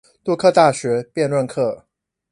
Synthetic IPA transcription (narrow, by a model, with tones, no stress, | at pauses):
t̪u˥˧kʰɤ˥˧t̪a˥˩ɕɥɛ˧˥pjɛ˥˧nlwə˥˧nkʰɤ˥˩